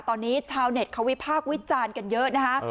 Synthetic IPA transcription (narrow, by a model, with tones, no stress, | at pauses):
t̪ɔː˧nːiː˦˥t͡ɕʰaː˧wne˨˩t̪̚kʰa˦˥wi˦˥pʰaː˥˩k̚wi˦˥t͡ɕaː˧nka˧njɤ˦˥ʔna˦˥kʰa˦˥